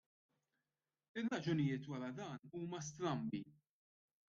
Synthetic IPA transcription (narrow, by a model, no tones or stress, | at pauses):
ɪrːɐd͡ʒʊnɪjɪːt̪wɐɾɐd̪ɐːnuːmɐs̬t̪ɾɐmbḭ